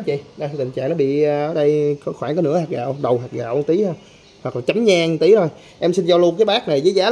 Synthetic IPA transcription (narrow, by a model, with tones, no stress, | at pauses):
t͡ɕḭ˧˨ɗa˧t̪t̪ï˨˩ŋ̟t͡ɕa̰ː˧˨ŋnɔ˨˦ɓḭ˧˨ʔəː˨˩˦ɗə˧jkɔ˧˨˦xwaː˧˩nkaː˨˦nɨ̰˧˥əhaː˨˩k̚ɣa̰ː˧˨wɗə˨˩wɦaː˨˩ɣa̰ː˧˨wʔə˧t̪i˨˦hʰə˧ | hwa˨˩k̚laː˨˩t͡ɕa˨˦mɲaː˧ŋ˨˧t̪i˨˦to˧˩j | ʔɛ˧msi˧nt͡ɕɔ˧lu˧əkaː˨˦jɓaː˦˥k̚na˨˩jzəː˨˦jzaː˨˦